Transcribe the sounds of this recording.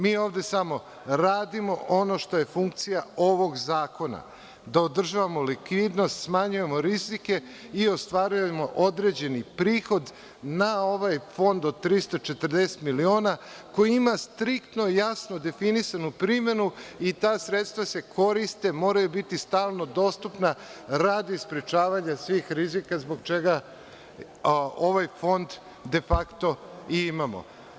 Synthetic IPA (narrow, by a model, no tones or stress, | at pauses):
miːo̞ːʋd̪e̞samo̞ | ɾaːd̪imo̞ʔo̞no̞ʃt̪o̞je̞fuŋk̚t̪sijao̞ʋo̞ɡzaːko̞na̰ | d̪aod̪r̩ʒaːʋamo̞likʋiːd̪no̞st̪smaɲuje̞mo̞ɾizike̞ | io̞st̪ʋaɾujemo̞ʔo̞d̪ɾe̞d͡ʑe̞nipɾiːxo̞d̪ | nao̞ʋajfo̞nd̪od̪t̪ːɾist̪ot͡ʃe̞t̪r̩d̪ese̥t̪milio̞ːna | ko̞jiimast̪ɾikt̪no̞jasnod̪e̞finisanupɾimje̞nuit̪aːsɾet̪st̪ʋase̞kʰo̞ɾist̪e̞mo̞ːɾajubit̪ist̪aːlˠno̞d̪o̞st̪upnaɾad̪ispɾet͡ʃaːʋaɲasʋiːxɾizikazbo̞ɡ̚t͡ʃe̞ɡa | o̞ʋajfo̞nd̪ | d̪e̞fakt̪o̞iimamo̞̰